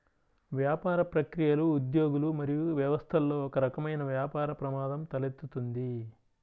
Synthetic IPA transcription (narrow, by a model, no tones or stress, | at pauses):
ʋjaːpaːɾɐpɾɐkɾijɐluːd̪jo̞ːɡulumɐɾijuʋjɐʋɐst̪ʰɐlːo̞ːɔkɐɾɐkɐmɐjnɐʋjaːpaːɾɐpɾɐmaːd̪ɐmt̪ɐlet̪ːut̪und̪i